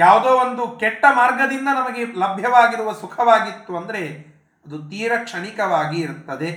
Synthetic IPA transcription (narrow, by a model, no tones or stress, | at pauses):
jaːʋd̪oːond̪ukɛʈːɐmaːɾɡɐd̪ind̪ɐnɐmɐɡe̞lɐbʱjɐʋaːɡiɾuʋɐsukʰɐʋaːɡit̪ːuɐnd̪ɐɾe̞ | ɐd̪ut̪iːɾɐkʂɐɳikɐʋaːɡiːɾt̪ːɐd̪e̞